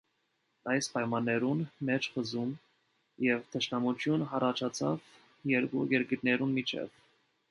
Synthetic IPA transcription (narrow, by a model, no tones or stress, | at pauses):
ɑjspɑjmɑnːɛɾunmɛt͡ʃʰχəzum | jɛvt̪ʰəʃnɑmut͡ʃʰjunɦɑrɑt͡ʃʰɑt͡sʰɑ̰v | jɛɾɡṵjɛɾkəɾnɛɾunmit͡ʃʰɛ̰v̥